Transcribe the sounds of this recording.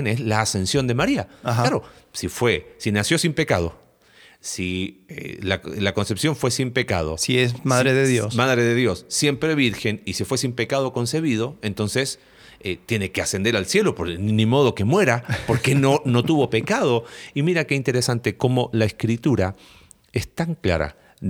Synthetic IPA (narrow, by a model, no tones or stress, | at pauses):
enezlaːse̞nsjo̞nd̪e̞maɾialaɾo̞sifwesinasjo̞simpe̞kaðo̞̰ | siḛlalako̞nsepsjo̞ɱfwe̞simpe̞ka̰ð̞o̞̰siesmaðɾeðeðjosmaðɾeðeðjo̞sːje̞mpɾeβiɾxe̞nisefwe̞simpekað̞o̞ko̞nse̞βið̞o̞e̞nt̪o̞nses | et̪je̞ne̞kease̞nd̪e̞ɾalsje̞lo̞poɾnĩmo̞ð̞o̞ke̞mwe̞ɾapo̞ɾkenono̞t̪uβo̞pe̞kað̞o̞imiɾakeint̪e̞ɾesant̪e̞ko̞mo̞laeskɾit̪uɾa | est̪aŋkla̰ɾa̰